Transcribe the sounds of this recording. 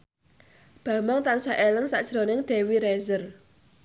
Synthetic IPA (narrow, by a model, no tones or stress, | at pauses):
b̥a̤maŋt̪ansaʔeləŋsa̰ʔd̥ʒ̥ɾonɪŋd̪̥ɛ̤wiɾɛzər